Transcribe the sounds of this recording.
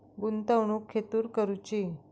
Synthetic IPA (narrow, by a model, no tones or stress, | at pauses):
ɡunt̪awɳukʰːet̪uːɾkəɾut͡ɕi